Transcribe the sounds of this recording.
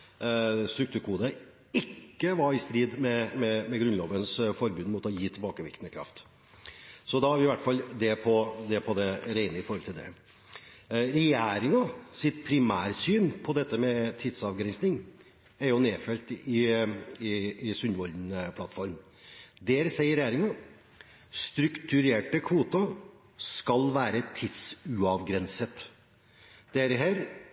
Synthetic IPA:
st̪ɾʉkt̪ʰʉːɾkʰuːd̪ə | ɪkːəʋɑɾɪst̪ɾiːd̪mɛmɛmɛɡɾʉnloːʋənsfɔɾbʉnmuːt̪ɔjiːt̪ʰɪlbɑːkəʋɪ̰kt̪nəkʰɾɑ̰ft̪ | sɔd̪ɑhɑɾʋɪʋæʈːfɑlːd̪ɛpʰɔd̪ɛpʰɔd̪ɛɾæɪnəɪfɔɾhɔlt̪ɪld̪ɛ̰ | ɾɛjæːɾɪŋɑsɪt̪̚pʰɾɪmæːɾsyːnpʰɔd̪ɛt̪ːəmɛt̪ʰɪd̪sɑʋɡɾɛnsnɪŋ | æɾjʊneːfɛlt̪ɪɪɪsʉnʋɔld̪npʰlɑt̪fɔɾm | d̪ɛːɾsɛɪəɾɛjæːɾɪŋɑ | st̪ɾʉkt̪ʉɾeːʈəkʰʋuːt̪ɑ | skɑlʋæːɾət̪ʰɪd̪sʉɑʋɡɾɛnsət̪ | d̪̥ɛæɾɦæːɾ

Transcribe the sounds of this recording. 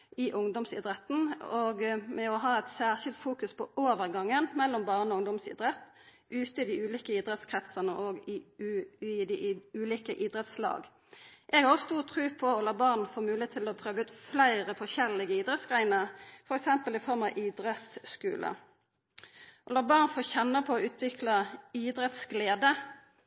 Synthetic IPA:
ɪʔʊŋd̪ɔmsɪ̰d̪ɾɛt̪ːn̩oɡmɛɔɦɑːæt̪sæːʁʃɪlt̪fuːkʉspʰɔʔoːʋəʁɡɑŋːənmɛlːɔmbɑːʁnɔʊŋd̪ɔmsɪ̰d̪ʁɛt̪ː | ʉːt̪əɪd̪ɪʉːliːkəiːd̪ʁɛt̪skʰʁɛt̪sənəʔɔɡɪ | ɪd̪ɪʉːliːkəʔiːd̪ɾɛt̪slɑ̰ːɡ | ʔɛɡhɑʁst̪uːʁt̪ʰʁʉːpʰɔɔlɑːbɑːʁnfoːmʉːeːt̪ʰːɪlɔpʰʁøːʋəʉːt̪flæɪʁəfɔçɛlːɪɡəiːd̪ʁɛt̪sɡʁæɪnəʁfɔɾɛksɛmpəlɪfɔʁmɑʔiːd̪ɾɛt̪sskʉ̰ːlʔə̰ | ʔɔlɑːbɑːʁnfoːçɛnːəpʰɔɔʉːt̪ʰʋɪklɑiːd̪ɾɛt̪sɡleːd̪ə

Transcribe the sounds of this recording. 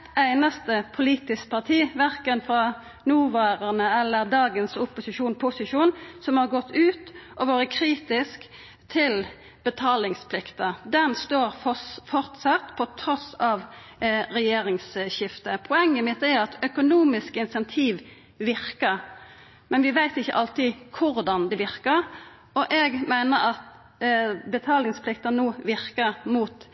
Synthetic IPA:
æɪnɑst̪əpʰʊliːt̪ɪsk̚pʰɑʁt̪ʰiːʋæʁkənfɾɑ | nuːʋɑːɾəʁnəɛlːəʁd̪ɑːɡənsʊpʊsɪʃuːnpʰʊsɪʂuːnsɔmhɑʁɡɔt̪ʰːʉːt̪ʔɔʋoːɾəkʰɾiːt̪ɪsk | t̪ʰɪl | b̥ət̪ʰɑːlɪŋspʰlɪkt̪əd̪ɛnst̪oːɾfɔfɔɾt̪sɑt̪pʰɔt̪ʰɾɔsɑʋɾɛjeːɾɪŋsɕɪft̪əpʰʊɛŋːəmɪt̪ːæɾɑt̪œkʊnuːmɪskəɪnsɛnt̪ʰiːʋ | ʋɪʁkəɾ | mɛnʋɪʋæɪt̪ɪçːə̰ʔɑlt̪ɪkʰʊɾd̪ɑnd̪ɛʋɪʁkəʁ | ɔʔɛɡmæɪnəʁɑt̪ | bət̪ʰɑːlɪŋspʰlɪkt̪ɑnoːʋɪʁkəʁmuːt̪

